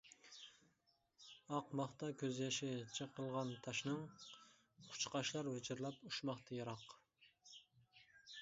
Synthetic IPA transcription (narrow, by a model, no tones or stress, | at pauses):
ɑqmɑχt̪ɑkʲʰøzjɑʃɛt͡ʃʰəqʰəlˠʁɑnt̪ʰɑʃnɨŋ | qʰʊ̥t͡ʃqɑʃlˠɑɾwɪt͡ʃʰɪɾlˠɑpuʃmɑχt̪ʰɑjɑɾɑq